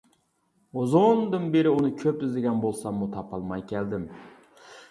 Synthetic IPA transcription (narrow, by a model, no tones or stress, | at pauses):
ozond̪ɨnbeɾɪunɨkʲʰøp̚t̪ɪzd̪ɪɡʲɛnbolˠsɑmːut̪ʰɑpʰɑlˠmɑjkʲʰɛld̪ɪm